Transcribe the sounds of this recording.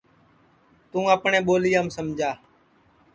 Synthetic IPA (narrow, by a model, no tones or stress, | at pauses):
t̪ũːəpɳẽːɓoːliːjaːmsəmd͡ʒʱaː